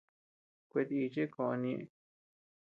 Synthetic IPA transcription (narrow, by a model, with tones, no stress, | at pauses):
kʷe˧t̪i˧i˧t͡ʃe˦kõ˨o˧nĩ˧ʔ